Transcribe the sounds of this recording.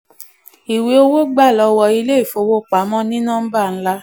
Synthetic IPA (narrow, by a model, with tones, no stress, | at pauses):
i˨we˨˦o˧wo˦ɡ͡ba˦˨lɔ˧wɔ˧i˧le˦i˦˨fo˧wo˦˨k͡pa˨˦mɔ̃˦nĩ˦nãː˦ba˦˨n̩˦la˦